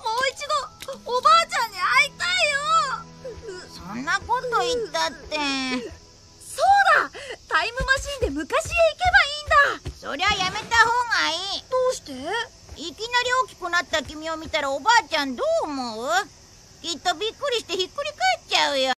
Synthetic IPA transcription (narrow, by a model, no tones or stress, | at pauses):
mo̞ːit͡ɕid̪o̞ːbaːt͡ɕãɲ̟ːiait̪aijo | sõnːako̞t̪o̞it̪ːat̪ːe | soːd̪at̪aimɯ̟maɕĩnd̪e̞mɯ̟kaɕiɡaike̞baĩːnd̪aso̞̰ɾe̞βajame̞t̪aho̞ːɡaiːd̪̥oːɕi̥t̪e | ikʲinaɾʲiokʲi̥kɯ̟nat̪ːakʲimʲio̞mʲit̪aɾaobaːt͡ɕãnd̪oːmoɯ | kʲit̪ːo̞bʲikːɯ̟ɾʲiɕi̥t̪e̞çikːɯ̟ɾʲikaet͡ɕaɯ̟jo